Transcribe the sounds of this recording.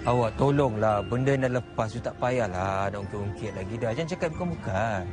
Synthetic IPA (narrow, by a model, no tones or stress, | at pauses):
awaʔt̪olɔŋlahbəndənaləpassut̪aʔpajahladaʔuŋkiʔuŋkɪt̪̚laɡidad͡ʒant͡ʃakat̪̚bukamuka